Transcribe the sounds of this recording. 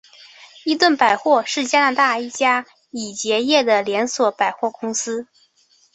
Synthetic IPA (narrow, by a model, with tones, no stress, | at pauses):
i˥t̪wə˥˩npa˨˩ɪxwɔ˥˧ʂɻ̩˥˩t͡ɕja˥na˧˥t̪a˥˩i˥˩t͡ɕja˥ | i˨˩t͡ɕjɛ˧˥jɛ˥˩d̪ə˩ljɛ˧˥nswɔ˨˧˩pa˨˩ɪxwɔ˥˩kʊ˥ŋsɹ̩˥